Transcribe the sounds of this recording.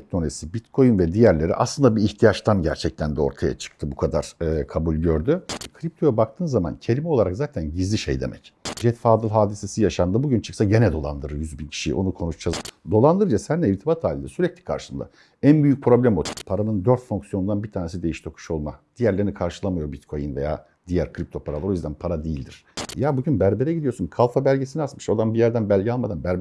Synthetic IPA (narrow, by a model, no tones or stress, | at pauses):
tt̪onesibit̪kʰo̞jynvɛd̪ijæɾlʲe̞ɾḭʔa̰slˠɯnd̪abiːçt̪ʰijat͡ʃt̪ʰanɟæɾt͡ʃʰɛc̚t̪ʰænd̪ɛo̞̰ɾt̪ʰaja̰t͡ʃʰɯ̥k̚t̪ʰɯbukʰad̪aɾ̥kʰabulʲɟø̞ɾd̪ykʰɾip̚t̪ʰo̞jabak̚t̪ʰɯːnzama̰ncʰe̞lʲimɛo̞lˠaɾakzaːt̪ʰænɟizlʲiʃejd̪e̞̰mɛ̰cd͡ʒɛt̪faːd̪ɯlˠɦaːd̪ise̞sijaʃand̪abuɟynt͡ʃʰɯ̥ksaɟe̞nɛd̪o̞lˠa̰nd̪ɯɾɯɾjyzbincʰi̥ʃḭʔo̞nukʰo̞nut͡ʃd͡ʒazd̪o̞lˠand̪ɯɾɯd͡ʒasænːɛiɾt̪ʰibat̪ʰaːlʲind̪ɛsyɾɛclʲi̥kʰa̰ɾʃɯnd̪a̰ | ænbyjyc̚pʰɾo̞blʲæmot̪ʰpʰaɾanɯnd̪øɾt̪foŋksijo̞nund̪anbiɾt̪ʰaːnes̬id̪ejiʃt̪ʰo̞kʰu̥ʃo̞lˠma̰d̪̥ijæɾlʲeɾinikʰaɾʃɯlˠamɯjo̞bit̪kʰo̞jinveja̰ː | d̪ijæɾkʰɾip̚t̪ʰo̞pʰaɾalˠoɾojyzd̪ænpʰaɾad̪ijilʲd̪ḭɾ̥jabuɟynbæɾbeɾɛɟid̪ijo̞ɾsunkʰalˠfabælʲɟe̞siniat̪mɯʃod̪anbijæɾd̪ænbælʲɟɛalˠmad̪anbæɾbɛ